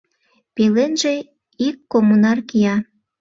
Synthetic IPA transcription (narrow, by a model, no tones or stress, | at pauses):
pelenʒe | ikːomunɑrkijɑ